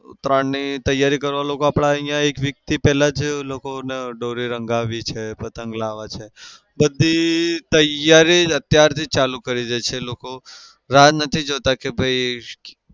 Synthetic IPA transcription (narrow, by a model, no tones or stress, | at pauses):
ʊ̰t̪ɾannit̪əjaɾikəɾʋalokoapɽ̃aəɦĩjãekʋjək̚t̪ipɛlad͡ʒlokoneɖoɾiɾəŋɡaʋit͡ʃʰepət̪əŋɡlaʋat͡ʃʰe | bəd̪ʱːit̪əjaɾiət̪jaɾt̪ʰit͡ʃalukəɾid͡ʒat͡ʃʰeloko | ɾad͡ʒnət̪ʰid͡ʒot̪akebʱəi